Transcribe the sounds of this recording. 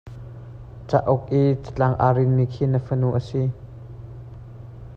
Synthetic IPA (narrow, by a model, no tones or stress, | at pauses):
t͡saʔɔk̚ʔit͡sə̥t͡ɬaŋʔaɾɪnːikʰiːnəfənuʔəsi